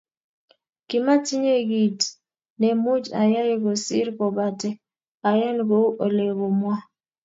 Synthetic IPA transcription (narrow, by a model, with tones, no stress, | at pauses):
kɪ˨ma˦ti˦ɲe˦ɡi˨t | nɛ˨mu˦d͡ʒa˨ja˦je˦ɡo˨sɪ̰˦ɾkɔ˨ba˨tɛ˦ | a˨jɛ˦nɡo˦ʔo˨le˨bo˨mwa˦